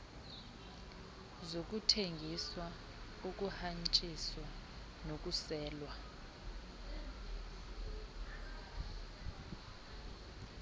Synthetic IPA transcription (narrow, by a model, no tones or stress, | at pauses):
zok̬ʼutʰeŋɡʱiswa | uk̬ʼuhant͡ʃʼiswa | nok̬ʼusɛːlwa